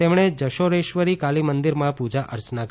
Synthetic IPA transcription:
emɳ̃ed͡ʒəʃoɾeʃʋəɾikalimənd̪iɾmãpud͡ʒaʔə̰ɾt͡ʃnak

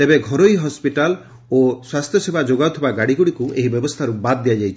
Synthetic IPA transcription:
t̪ebeɡʱɔɾoiɦɔspiʈal | oswast̪ʰjɔsebʱad͡ʒoɡaut̪ʰibaɡaɽiɡuɽikueɦibjɔbɔst̪ʰaɾubad̪ːijad͡ʒajt͡ʃʰ

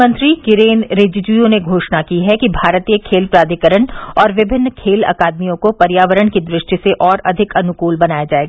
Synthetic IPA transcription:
mə̃nt̪ɾikɪɾeːnɾeːd͡ʒd͡ʒujõneɡʱoːʃnakiɦɛkibʱaːɾət̪ijekʰeːlpɾaːd̪ʱikəɾəɳɔːɾʋɪbʱɪnːkʰeːlɐ̰kaːd̪̚mijõkopɐɾjaːʋəɾəɳkid̪ɾɪʃʈjəseʔɔːɾɐd̪ʱɪkɐnʊkuːlbɐnaːjad͡ʒaːeːɡaː

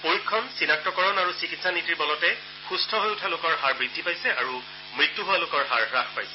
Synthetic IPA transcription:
poɹikʰːɔnsinak̚tɔkɔɹɔnaɹusikitsanitiɹbɔlɔtɛ | xustʰɔɦojʊtʰalʊkɔɹɦaɹbɹidʱːipajsɛʔaɹu | mɹitːuɦʊwalʊkɔɹɦaɹɹaxpajsɛ̥

